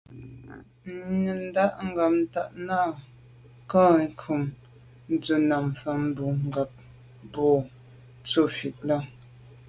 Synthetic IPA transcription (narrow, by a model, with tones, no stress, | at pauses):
ɲə˨n˦da˦ʔŋ̩˦ɡa˨p̚n̩˦ta˨ʔna˦˨ | kɔ̃˦˨˦kʰu˨m | n˦d͡zə˨na˨m˨fa˨m̩˦bu˨ŋ̩˨ɡa˨p̚ | bɔ˨ | t͡sə˦fi˨t̚la˦